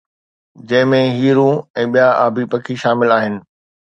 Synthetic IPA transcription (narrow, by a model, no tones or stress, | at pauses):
d͡ʑɐ̃ɦɪ̃mẽɦiːɾũɛ̃ːɓijaa̰ːbʱipɐkʰiʃaːmɪlaːɦɪnɪ̆